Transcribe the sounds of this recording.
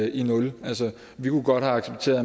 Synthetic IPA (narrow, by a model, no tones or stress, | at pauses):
inɔ̽lælsə | ʋikʰuɡ̥ɒ̽d̥hæɑ̈ɡ̥seb̥̚t͡sʰe̝̰ːɐ